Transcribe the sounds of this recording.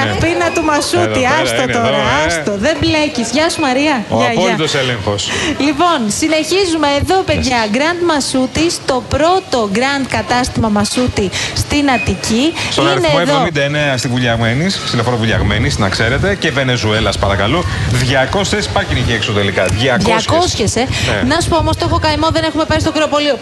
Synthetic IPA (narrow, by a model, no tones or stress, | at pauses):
ɐpinɐt̪umɐsut̪iɐst̪ooɾɐɐst̪oðe̞mblecizʝɐsumɐɾiɐʝpɐt̪oseleŋxoslipo̞nsine̞çizumeːðo̞peðʝɐɡɾɐnd̪mɐsut̪ist̪o̞pɾo̞t̪o̞ɡɾɐnd̪kɐt̪ɐst̪imɐmɐsut̪ist̪inɐt̪icist̪oinɐɾnθeimoeðvomind̪ɐeneɐst̪ivuʎɐɣme̞nissilofoɾɐvuʎɐ̰ɣme̞nisnɐkse̞ɾe̞t̪e̞ce̞ve̞ne̞zue̞lɐspɐɾɐkɐluðʝɐko̞sespɐciniçeksot̪elikɐðʝɐkʝɐsosçesennɐsu̥poomost̪ofokɐimo̞ðene̞xume̞pɐɾist̪okɾeopo̞lio